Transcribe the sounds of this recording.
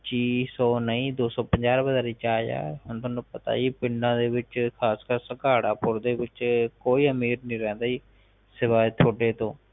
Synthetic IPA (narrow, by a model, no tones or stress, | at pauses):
t͡ʃiːsɔːnəĩːd̪oːsɔːpəɲd͡ʒaːɾbəzaːɾiːt͡ʃaːja̰ːɦʊnt̪ʰõːnũːpət̪a̰ːiːpɪɳɖãːd̪eːʋɪt͡ʃkʰaːskəɾsəkaːɽaːpʊɾd̪eːʋɪt͡ʃkoːiːəmiːɾnĩːɾɛ̃ːnd̪aːiː | sɪʋaːet̪ʰoːɖeːt̪õː